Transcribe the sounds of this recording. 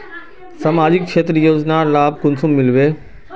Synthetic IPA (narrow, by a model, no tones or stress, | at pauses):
sɐmaːd͡ʑɪkkʃʰeːt̪ɾjoːznaːlaːb̚kʊnsʊ̃mːɪlʋeː